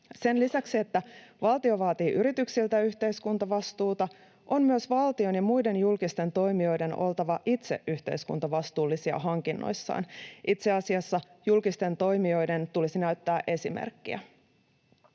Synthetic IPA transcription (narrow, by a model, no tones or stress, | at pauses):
se̞nlisæksiet̪ːæʋɑlt̪io̞ʋɑːt̪iːʔyɾit̪yksilt̪æyçt̪e̞jskunt̪ɑʋɑst̪uːt̪ɑ | ʔo̞mmyøsʋɑlt̪io̞njɑmujde̞njulkist̪e̞nt̪o̞jmio̞jde̞no̞̰lt̪ɑʋɑʔit̪se̞̰ʔyht̪e̞̰iskṵnt̪ɑʋɑst̪uːlːisiɑ̰ɦɑŋkinːo̰jsːɑ̰ːnʔit̪se̞ɑsiɑsːɑjulkist̪e̞nt̪o̞jmio̞jde̞nt̪ulisinæyɥt̪ːæːʔe̞simḛrkːḭæ̰